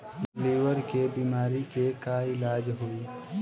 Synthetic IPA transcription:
liːwəɾkebiːmaːɾikekaɪlaːd͡ʒɦuiː

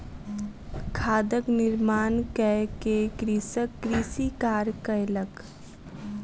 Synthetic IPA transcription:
kʰaːd̪əknɪɾmaːnkɛkekɾiːsəkːɾiːsikaːɾkəjlək

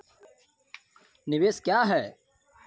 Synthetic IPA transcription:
nɪʋeːskjaːɦɛː

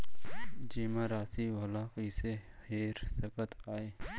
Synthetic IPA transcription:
d͡ʒiːmãɾaːsiwɐlaːkiseeːɾsɪbət̪aːeː

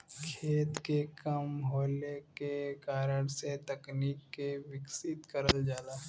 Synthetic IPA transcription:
kʰeːt̪kekəmɦoːlekekaːɾəɽset̪ɐkniːkːeʋɪksɪt̪kəɾəld͡ʒaːlaː

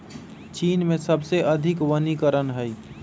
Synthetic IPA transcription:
t͡ʃiːnmẽsəbseʔɐd̪ʱɪkʋənikəɾənɦəj

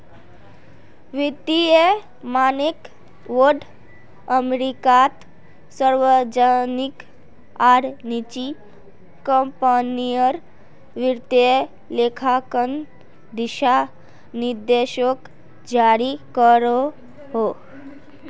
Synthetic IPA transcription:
ʋit̪ie | manik | ʋoɾɖ | əmɾikat̪ | səɾʋəd͡ʒanik | aɾnit͡ʃi | kə̃mpənijəɾ | ʋiɾt̪e | lekʰakən | d̪iʃa | niɾd̪eʃək | d͡ʒaɾikəɾo | ɦo

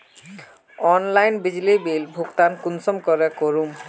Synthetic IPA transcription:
ɔnlajnbid͡ʑlibilbʱukt̪ankunsɔmkɔɾekoɹum

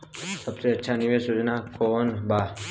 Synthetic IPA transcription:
səbseətːʃʰaniʋesjod͡ʒnakonba

